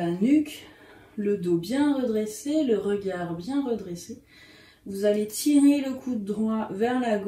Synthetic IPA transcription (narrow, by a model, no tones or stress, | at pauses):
anykʲ | ləd̪objɛ̃ʁəd̪ʁeseləʁəɡaʁbjɛ̃ʁəd̪ʁese | vuzalet̪ʰiʁeləkʰud̪əd̪ʁwavɛʁlaɡ